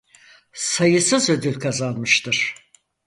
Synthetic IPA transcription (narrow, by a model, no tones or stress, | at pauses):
sajɯsɯzø̞d̪ylʲkʰazanmɯʃt̪ʰɯɾ̥